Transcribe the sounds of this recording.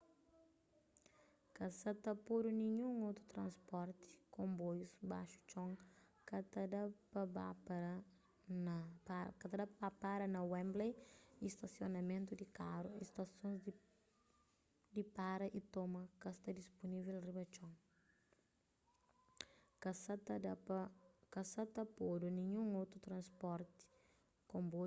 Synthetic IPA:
kɐsɐt̪ɐpoɾuniɲũŋot̪ɾut̪ɾɐ̃nspɔɾt̪i̥kõmbojusbaʃu̥t͡ʃõŋ | kɐt̪ɐd̪ɐpɐbapɾɐ | nɐkɐt̪ɐd̪ɐpapaɾɐnɐwɛ̃mblejist̪ɐsjonɐmẽnt̪ud̪ikaɾuist̪ɐsõnz | d̪ipaɾɐʔit̪omɐkɐst̪ɐd̪isponivelribɐt͡ʃɔ̃ŋ | kɐsɐ | kɐsɐt̪ɐpod̪unĩɲũŋowt̪ɾut̪ɾɐ̃nspɔɾt̪i̥ | kõmbo

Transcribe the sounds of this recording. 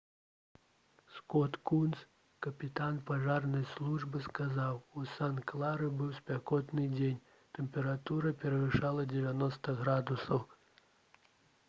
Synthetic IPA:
skɔt̪kuns | kɐpʲit̪anpaʐarnɐjslˠuʐbɨskazawusanklˠaɾɨbɨwspʲakɔt̪nɨd͡zʲenʲ | t̪ɛmpʲɛɾat̪uɾɐpʲɛɾɐvɨʂalˠɐd͡zʲɛvʲanɔst̪ɐɣɾad̪usɐw

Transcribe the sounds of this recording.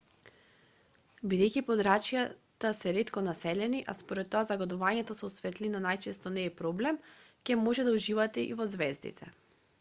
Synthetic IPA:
bid̪ɛjkipɔd̪ɾat͡ʃjat̪asɛɾɛt̪kɔnasɛlɛniʔa̰spoɾɛt̪ːɔazaɡod̪uvaɲɛt̪ɔsɛsvɛt̪linanajt͡ʃɛst̪ɔnɛːpɾɔblɛmcʲɛmoʒɛd̪auʒivat̪ɛʔḭvɔzvɛzd̪ḭt̪ʰɛ

